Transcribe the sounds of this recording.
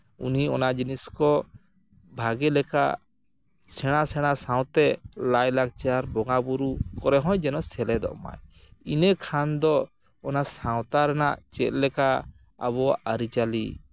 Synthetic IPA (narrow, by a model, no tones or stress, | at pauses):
ṵniɔnaʔd͡ʒiniskɔ | bʱaɡɛlɛka̰ | sɛɽ̃asɛɽ̃asaw̃t̪ɛlajlaɡ̚t͡ʃaɾbɔŋabuɾukɔɾɛɦɔ̃jd͡ʒɛnɔsɛlɛd̪ɔ̰ʔma̰jinɛkʰand̪ɔ | ɔnasãwt̪aɾɛna̰ʔt͡ʃɛ̰t̪̚ˀlɛka̰ː | βɔaʔaɾit͡ʃali